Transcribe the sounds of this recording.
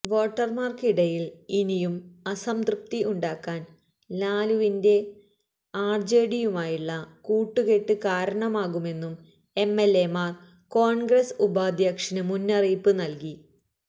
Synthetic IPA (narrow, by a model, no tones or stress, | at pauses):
ʋo̞ːʈːɐrmaːrkiɽɐjilinijumɐsɐmt̪rɨp̚t̪iʔuɳɖaːkːaːn | laːluʋinde̞ | aːrd͡ʑe̞ːɽijumaːjiɭːɐkuːʈːuke̞ʈːɨkaːɾɐɳɐmaːɣume̞nːum | e̞mːe̞le̞maːr | ko̞ːɳɡresubaːd̪ʱjɐkʂɐnɨmunːɐriːpːɨnɐlki